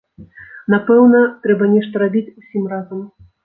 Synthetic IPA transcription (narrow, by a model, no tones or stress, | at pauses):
napɛwnɐt̪ɾɛbɐnʲɛʂt̪ɐɾabʲit͡sʲusʲimrazɐm